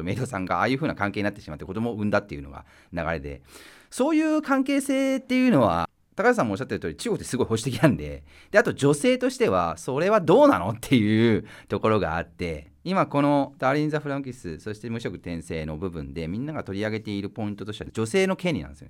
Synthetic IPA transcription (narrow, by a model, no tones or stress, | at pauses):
omed̪osãŋɡa̰aːjɯ̟ːɸɯ̟ːnakãŋke̞ːɲ̟inat̪ːeɕimat̪ːeko̞d̪o̞moɯ̟̃nd̪at̪ːe̞jɯ̟no̞̰ɡa̰ | naɡa̰ɾe̞d̪e̞̰ | so̞ːjɯ̟ːkãŋke̞ːseːt̪ːe̞jɯ̟ːno̞βa̰ | t̪akaas̬ãmoːɕːat̪ːeɾ̟t̪oːɾʲit͡ɕiɡokɯ̟t̪ːesɨɡo̞iho̞ɕi̥t̪ekʲinãnd̪e̞̰ | d̪̥e̞at̪o̞d͡ʑo̞se̞ːt̪o̞ɕi̥t̪e̞βa̰so̞ɾe̞βad̪o̞ːna̰no̞t̪ʰːe̞jɯ̟t̪o̞ko̞ɾo̞ɡa̰ːt̪ːe̞ | imako̞no̞d̪aːɾʲĩnzaɸɯɾãŋkʲisɨso̞ɕi̥t̪e̞mɯ̟ɕo̞kɯ̟̥t̪ẽ̞ɰ̃se̞ːno̞bɯ̟bɯ̟̃nd̪e̞mʲĩnːaɡat̪o̞ɾʲiaɡe̞t̪e̞iɾɯ̟po̞ĩnt̪ot̪o̞ɕied͡ʑo̞se̞ːno̞kẽ̞ɲʲɾʲinã̰nd̪esjo̰